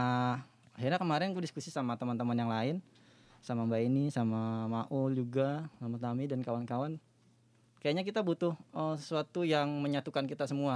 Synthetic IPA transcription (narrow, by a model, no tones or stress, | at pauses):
a | aɦirɲakəmaɾɛnkudiskusisamat̪əmant̪əmanjaŋlaɪn | samambainisamamaʔʊld͡ʒuɡasamat̪amidankawankawan | kajaʔɲakit̪abut̪ʊhəsəsuat̪ujaŋməɲat̪ukankit̪asəmua